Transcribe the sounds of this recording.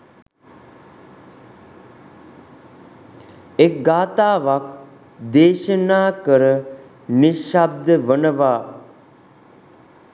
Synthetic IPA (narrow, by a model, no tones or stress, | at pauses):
ek̚ɡaːt̪aːʋak | d̪eːʃənaːkəɾə | niʃab̚d̪əʋənəʋaː